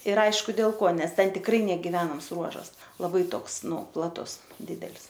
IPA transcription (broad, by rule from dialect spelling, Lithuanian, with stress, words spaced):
ɪr ˈɐɪʃkʊ dʲeːlˠ ˈkoː ˈnʲɛs ˈtʲɛn tʲɪkˈrɐɪ nʲɛɡʲɪˈʋʲæːnɐms ˈruɔʒɐs lˠɐˈbɐɪ ˈtoːks ˈnʊ plˠɐˈtʊs ˈdʲɪdʲɛlʲs